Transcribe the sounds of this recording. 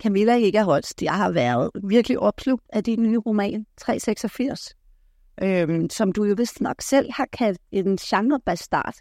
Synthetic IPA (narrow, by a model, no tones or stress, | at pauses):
kʰæmilæ̥e̝ɡ̥əæɐɦɒ̽d̥d̥ihɑ̈ʋæɐðˠʋiɐɡ̥əliʔɒ̽b̥sʰlub̥̚æd̥innyʁomɛ̰ːnt͡sʰʁɛ̰ːseɡ̥sɒfiɐ̰s | ʔømsɒ̽md̥ujo̝ʋe̝sd̥nɒ̽ɡ̥sel̰hɑ̈kʰæl̰d̥e̝nɕɑ̈ŋʁɐb̥æsd̥ɑ̰̈ːd̥